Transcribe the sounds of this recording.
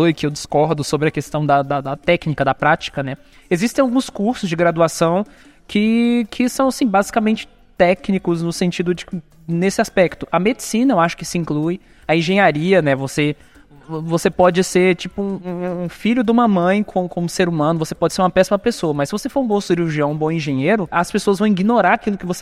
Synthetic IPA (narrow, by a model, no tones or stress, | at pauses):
ojkɪewd͡ʒɪskɔɾd̪ʊsobɾɪɐkest̪ɐ̃w̃d̪ɐd̪ɐd̪ɐt̪ɛknikɐd̪ɐpɾat͡ʃi̥kɐnɛ | ezist̪ẽawɡũskuɾsʊzd͡ʒɪɡɾad̪uasɐ̃w̃ | kʰɪkʰɪsɐ̃w̃asĩbazikamẽnt͡ʃɪ̥ | t̪ɛknikʊznʊsẽnt͡ʃid̪ʊd͡ʒɪk | nesɪaspɛkt̪ʊʔɐmed͡ʒɪsĩnɐewaʃʊ̥kɪsɪĩkluj | ɐẽʒẽɲaɾiɐnɛvose | vosepɔd͡ʒɪseɾt͡ʃipʊũːfiʎʊd̪ɪũmɐmɐ̃j̃kʰõkõmʊseɾumɐ̃nʊvosepɔd͡ʒɪseɾũmɐpɛsimɐpesoɐmɐsɪvosefoɾũbõsʊd͡ʒɪuʒiɐ̃w̃ũbõẽʒẽɲejɾʊɐspesoɐzvɐ̃w̃iɡinoɾaɾakilʊkɪvos